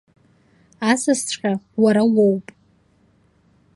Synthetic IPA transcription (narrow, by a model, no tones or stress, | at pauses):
asɨsʷʼqʲʼawaɾawowpʼ